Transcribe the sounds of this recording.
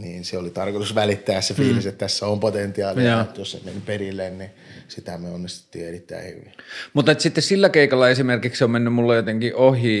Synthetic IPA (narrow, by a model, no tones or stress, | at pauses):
niːnseolit̪ɑrkot̪usʋælit̪ːæːesːefiːliset̪t̪æsːæompot̪ent̪iɑːliɑet̪jossḛmenperilːenni | sit̪æmyøonːist̪u̥t̪ːḭːerit̪ːæ̰ihy̰ʋimut̪ːˑɑet̪sit̪ːessilːækeˑikɑlːɑesimerkiksommenːymmulːejot̪eŋkiʔʔohiː